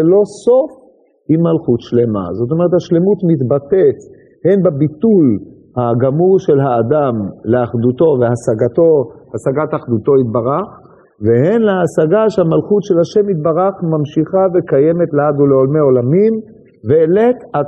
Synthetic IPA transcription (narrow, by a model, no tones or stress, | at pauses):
elo̞so̞f | imːalχut̪ʃle̞ma̰zot̪omeʁet̪haʃle̞mut̪mit̪bat̪et | henbabit̪ul | haɡamuʁʃelɦaːd̪amleaχd̪ut̪o̞veasaɡat̪oasaɡat̪aχd̪ut̪o̞it̪̚baʁaχ | veɦenleasaɡaʃeamalχut̪ʃe̞lhaʃe̞mit̪̚baʁaχmamʃiχavekajeme̞t̪lead̪uleolmeo̞lamim | veːleta